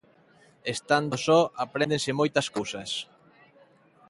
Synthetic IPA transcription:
est̪and̪osɔapɾend̪ẽnsɪmojt̪ɐskowsɐs

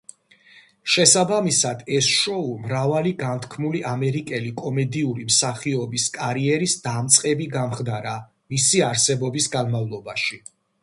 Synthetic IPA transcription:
ʃɛsabamisad̪ɛsʃɔumɾavaliɡant̪ʰkʰmuliʔamɛɾikʼɛlikʼɔmɛd̪iuɾimsaχiɔbiskʼaɾiɛɾisd̪amt̪sʼqʼɛbiɡamχd̪aɾa | misiaɾsɛbɔbisɡanmavlˠɔbaʃi

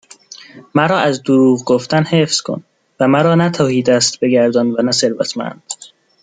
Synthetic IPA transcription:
mæɾɒːæzd̪oɾuːʁɡoft̪ænhe̞fskʰo̰n | væmæɾɒːnæt̪ʰɒːhiːd̪æst̪be̞ɡæɾd̪ɒːnvænæse̞ɾvæ̰t̪ʰmæ̰nd̪̥

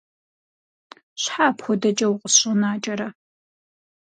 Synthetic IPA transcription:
ɕħaːpxʷɔdɐt͡ʃʼɐwqʼəsɕɨnaːt͡ʃʼɐɾɐ

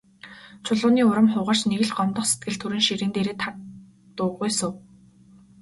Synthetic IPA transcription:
t͡ɕʰʊɮʊːniːʊɾə̆mχʊːʁaːr̥t͡ɕneɣɘ̆ɮɢɔmt̪ɞ̆χset̪̚ɡɘ̆ɮt̪ʰuɾɘ̆nʃiɾɘ̆ːnt̪eɾeːt̪ʰak | t̪ʊːʁujsʊ̆w

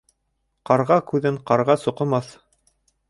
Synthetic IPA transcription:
qɑɾʁɑkʉðɘɴqɑɾʁɑsuqɤ̆mɑθ

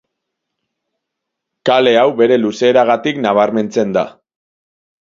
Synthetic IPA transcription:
kale̞awbe̞ɾe̞luse̞ːɾaɣat̪iknaβ̞aɾme̞nt͡se̞nd̪a̰

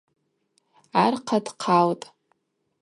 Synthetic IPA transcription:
arqʰadqʰaltʼ

